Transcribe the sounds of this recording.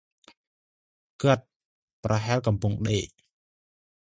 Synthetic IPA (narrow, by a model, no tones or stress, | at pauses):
kɨt̪̚ | prɑɦaɛlk̬ɑmpuŋɗeːʔ